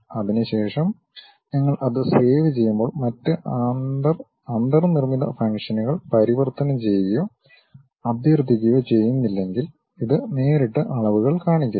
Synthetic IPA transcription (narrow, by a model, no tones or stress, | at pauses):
ɐðinɨɕe̞ːʂɐm | nɐŋːɐɭʔɐðɨseːʋit͡ɕe̞jːumbo̞ːɭmɐtːɨʔd̪ɐr | ɐnd̪ɐrnirmiðɐfɐŋkʂɐnuɣɐɭpɐɾiʋɐrt̪ɐnɐmt͡ɕe̞jʋɐjoː | ɐd̪jɐrd̪ʱik̬ʲːɐjot͡ɕe̞jːunːilːe̞ŋɡil | iðɨne̞ːɾiʈːɨʔɐɭɐʋuɣɐɭkaːɳikʲːɐ